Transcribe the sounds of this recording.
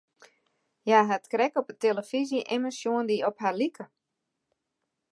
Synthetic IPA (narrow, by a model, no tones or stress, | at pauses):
jaɦatkrɛkɔpəteləfiziʔeməsjoəndiɔpɦarlikʰə